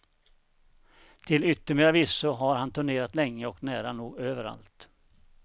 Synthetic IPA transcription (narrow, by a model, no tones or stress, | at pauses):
t̪ʰɪlʏt̪ːəɾmeːɾavisːʊɦaɾhant̪ʰɵɳeːɾat̪lɛŋːəɔknæːɾanuːɡøːvəɾa̰lt̪